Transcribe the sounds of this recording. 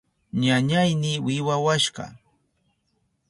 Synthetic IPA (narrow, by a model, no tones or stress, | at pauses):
ɲaɲajnɪwɪwawaʃɢɑ̰